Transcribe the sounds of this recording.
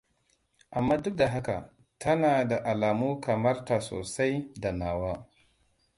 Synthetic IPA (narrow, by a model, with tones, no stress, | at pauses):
ʔa˨mːaː˦dʊ˦k̚da˨ɦa˦ka̰˨ | tʰɐ˦naː˨da˨ʔa˨laː˨mu˦kɐ˨mɐ˦ɾta˨so̰ː˨sa˦jda˨naː˨waː˦